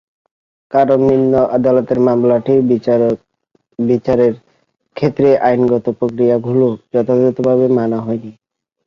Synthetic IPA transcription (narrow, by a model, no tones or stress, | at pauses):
kaɾomninːoʔad̪alɔt̪eɾmamlaʈʰi | bit͡ɕaɾeɾ | kʰet̪ːɾeʔajnɡɔt̪opɾokɾijaɡʱulod͡ʑɔt̪ʰad̪ɔt̪obʱaβemanaɦɔjni